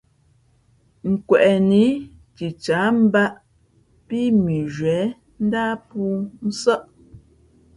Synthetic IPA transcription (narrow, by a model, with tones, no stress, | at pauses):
ŋ̩˨kwɛ˨ʔɛ˨ni˨˦ | ti˨t͡ʃaː˨˦m̩˦ba˦ʔ | pi˦mi˨ʒɥɛː˨˦ | n̩˦daː˦puː˦n̩˦sɔ˦ʔ